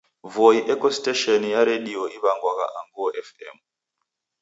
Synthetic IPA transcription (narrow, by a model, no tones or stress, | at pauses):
voiʔekosteʃɔnjaɾeɗioiβaŋɡwaka̰ʔaŋɡuɔʔɛfɛ̰m